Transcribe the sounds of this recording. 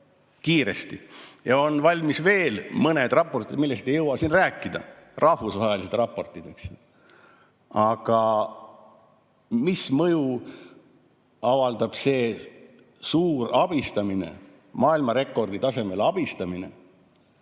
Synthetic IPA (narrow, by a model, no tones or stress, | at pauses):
kiːɾe̞st̪ijɑo̞nvɑlʲmisve̞ːlmɤne̞d̪̥rɑpˑːo̞rt̪ˑid̪̥milːe̞st̪ejɤwɑsinræːkːˑid̪̥ɑ̰rʔɑhvusvɑjɑlised̪rɑpːˑo̞rt̪ːˑid̪eks | ɑɡ̥ɑ | mismɤju | ɑvɑld̪ɑb̥se̞ː | suːɾɑb̥ist̪ɑminḛ | mɑːilmɑɾe̞kːˑo̞rd̪̥it̪ɑse̞me̞lɑb̥ist̪ɑmine̞̰